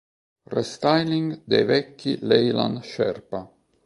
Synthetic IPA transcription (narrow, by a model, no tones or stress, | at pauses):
rest̪ajliŋɡd̪ejvɛkːḭlejla̰nʃɛ̰rpa